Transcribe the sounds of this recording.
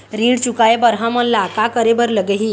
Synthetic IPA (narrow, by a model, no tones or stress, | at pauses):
ɾiːɽt͡ɕukajebəɾɦãməllakakəɾebəɾləɡəɦiː